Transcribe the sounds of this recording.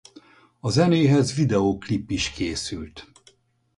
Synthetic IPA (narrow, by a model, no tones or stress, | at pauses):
ɒzɛneːɦɛzʋid̪ɛoːklipːiʃkeːsylt̪